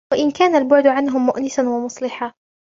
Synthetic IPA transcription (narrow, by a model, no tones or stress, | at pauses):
waʔɪnkaːnalbʊʕd̪ʕanɦʊmːʊʔnɪsanwamʊsˤlɪħaː